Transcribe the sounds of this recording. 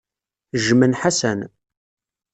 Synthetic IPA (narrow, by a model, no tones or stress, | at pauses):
ʒmənħasæn